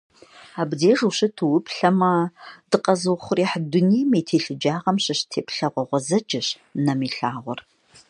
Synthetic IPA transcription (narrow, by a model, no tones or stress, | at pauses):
aːbzeːʒuɕɨtʰuwʊpʰɬɐmɐd̥ɨqɐzɨwχʷʊriːħdʊniːmeːtʰeːɬɨd͡ʒaːʁɐmɕɪɕtʰeːpʰɬɐʁʷɔʁʷɔzɐd͡ʒɪɕ | nɐmiːɬaːʁʷɔ̰r